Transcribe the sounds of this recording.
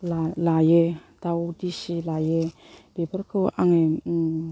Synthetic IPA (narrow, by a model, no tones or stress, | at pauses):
lalajed̥awdisilaje | debəɾkʰɯʔaŋe